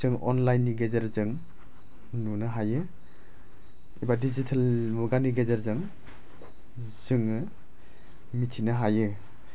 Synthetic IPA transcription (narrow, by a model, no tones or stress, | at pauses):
zɯŋɔ̰nlajnːiɡezeɾzɯŋ | nunɯɦajɯ | ibadizitʰalmuɡaniɡezeɾzɯŋ | zɯŋɯ | mitʰinɯɦajɯ